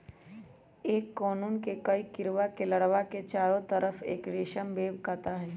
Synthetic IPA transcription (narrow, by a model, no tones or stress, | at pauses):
eːkːɔːnuːnkekɐikɪɾʋakelɐɽʋaket͡ʃaːɾõt̪ɐɾəfḛːkɾeːʃəmbeːbkaːt̪aɦɛː